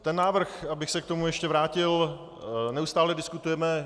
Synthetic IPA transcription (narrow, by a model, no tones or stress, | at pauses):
t̪ɛnːaːvr̩xabɪxsɛkt̪o̞mujɛʃcɛvɾaːcɪl | nɛust̪aːlɛdɪskut̪ujɛmɛ